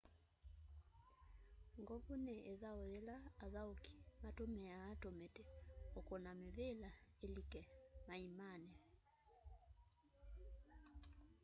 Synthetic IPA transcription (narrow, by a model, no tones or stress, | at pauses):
ŋɡɔβuneʔeðaoðɛlaːðaoki̥matomɛaːtometɛokɔnameβelaelikɛmaimanɛ